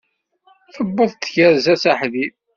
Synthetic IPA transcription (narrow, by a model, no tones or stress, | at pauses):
θəbːəðˤt̪ːçəɾzæsaħðið